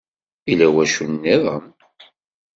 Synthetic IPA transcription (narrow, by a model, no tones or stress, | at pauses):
ilæwæʃunːiðˤəm